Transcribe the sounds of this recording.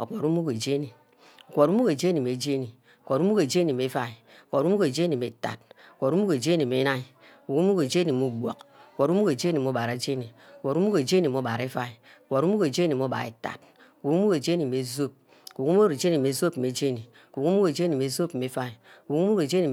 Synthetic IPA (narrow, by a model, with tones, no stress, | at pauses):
o˨k͡pɔ˨ɾu˦mu˦ke˨d͡ʒe˦ni˨ | o˨kʷo˨ɾu˦mu˦ke˨d͡ʒe˦ni˨me˨d͡ʒe˦ni˨ | o˨kʷo˨ɾu˦mu˦ke˨d͡ʒe˦ni˨me˨˦fa˦i˨o˨kʷo˨ɾu˦mu˦ke˨d͡ʒe˦ni˨me˨ta̰˨t̚o˨kʷo˨ɾu˦mu˦ke˨d͡ʒe˦ni˨me˨˦na˦i˨ | ku˨ku˦mu˦ke˨d͡ʒe˦ni˨mu˦bʷo̰˨kkʷo˨ɾu˦mu˦ke˨d͡ʒe˦ni˨mo˨˦ba˨ɾa˨d͡ʒe˦ni˨o˨kʷɔ˨ɾu˦mu˦ke˨d͡ʒe˦ni˨m˨o˦ba˨ɾe˦fa˦i˨o˨kʷɔ˨ɾu˦mu˦ke˨d͡ʒe˦ni˨m˨o˦ba̰˨ɾḛ˨ta̰˨t̚ | ku˨ku˦mu˦ke˨d͡ʒe˦ni˨me˨zo˦p̚ | ku˨ku˦m˦u˦ɾe˨d͡ʒe˦ni˨me˨zo˦p̩˨me˨˦d͡ʒe˦ni˨ku˨ku˦mu˦ke˨d͡ʒe˦ni˨me˨zo˦pe˨˦fa˦i˨ku˨ku˦mu˦ke˨d͡ʒe˦ni˨